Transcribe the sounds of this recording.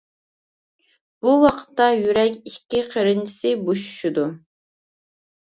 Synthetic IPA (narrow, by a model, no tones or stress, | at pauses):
b̥uwɑqʰə̥t̪ːɑjyɾɛkʲikʲːiqʰeɾɪnt͡ʃʰi̥sɪbuʃʃud̪u